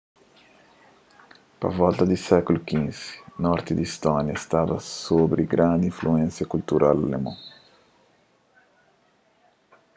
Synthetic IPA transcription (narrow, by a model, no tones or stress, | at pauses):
pɐ̰vɔlt̪ɐd̪ɪsɛkulʊkĩnz̥i̥nɔɾt̪ɪd̪ist̪ɔnjɐest̪avɐsobɾɪɡɾãnd̪ɪĩfluɛ̃nsjɐkult̪uɾʔalːḛmɐ̃